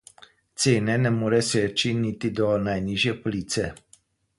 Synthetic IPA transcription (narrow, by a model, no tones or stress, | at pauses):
t̪seːnenemuɾeset͡ʃinit̪id̪onajniʒjepolit̪se